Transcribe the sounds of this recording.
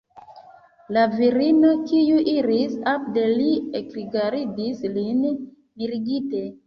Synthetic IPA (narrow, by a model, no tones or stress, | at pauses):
laviɾino̞kijuʔiɾisap̚de̞liekɾiɡaɾidislin | miɾiɡite̞